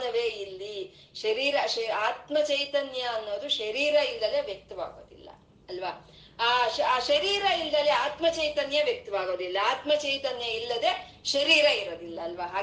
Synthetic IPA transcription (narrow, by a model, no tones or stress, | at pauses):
nɐʋeːilːi | ʃɐɾiːɾɐʃaːt̪mɐt͡ʃɐjt̪ɐnjɐːnːo̞ːd̪uʃɐɾiːɾɐilːɐleʋjɐk̚t̪ɐʋa̰ːɡo̰ːd̪ilːɐ̰ | ɐlʋɐ | aːʃɐɾiːɾɐilːɐliaːt̪mɐt͡ʃɐjt̪ɐnjɐʋjɐk̚t̪ɐʋaːɡoːd̪ilːɐaːt̪mɐt͡ʃɐjt̪ɐnjɐilːɐd̪eː | ʃɐɾiːɾɐiɾoːd̪ilːɐːlʋɐɦaː